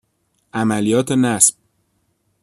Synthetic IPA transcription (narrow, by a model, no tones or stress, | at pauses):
ʔæmælijɒːt̪ʰenæsb̥̚